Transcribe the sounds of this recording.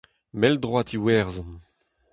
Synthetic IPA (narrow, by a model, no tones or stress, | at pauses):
mɛld̪ʁwat̪ʰiwɛːʁzɑ̃n